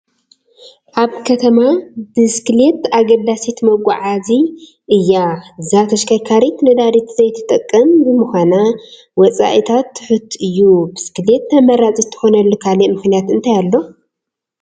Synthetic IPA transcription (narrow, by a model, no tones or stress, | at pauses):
ʔaβkʰɐt̪ʰɐmabɨskɨle̞t̪aɡɐd̪asit̪mɐɡʷʼa̰ʕazi | ʔɨjːazat̪ʰɐʃkʰajkʰaɾit̪nɨd̪aɾit̪zɐjt̪ʰɨ̥t̪ʼɐkʼːɐmbɨmɨxʷana | wɔt͡sʼa̰ʔit̪ʰat̪ːɨ̥ħɨt̪ʰɨjːubɨskɨle̞t̪ːɐmɐɾat͡sʼit̪ʰːɨ̥xonɐlːokʰalemɨxnijat̪ɨnt̪ʰajalːo̞